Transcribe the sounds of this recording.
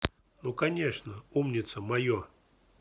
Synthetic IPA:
nukɐnʲeʂnəumnʲɪt̪səmɐjo

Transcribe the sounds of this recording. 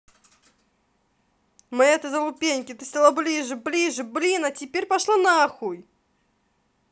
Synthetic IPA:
mɨɛt̪ɨzɐlˠʊpʲenʲkʲɪt̪ɨsʲt̪ʲalˠablʲiʐɨblʲiʐɨblʲinɐtʲɪpʲeɾʲpaʂlˠanɐːxuj

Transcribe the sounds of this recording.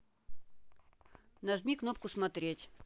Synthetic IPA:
nɐʐmʲiknop̚kʊsmɐt̪ɾʲetʲ

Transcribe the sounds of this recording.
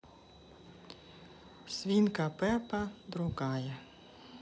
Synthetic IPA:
sʲʋʲinkɐpɛpɐd̪ɾʊɣɑjɛ

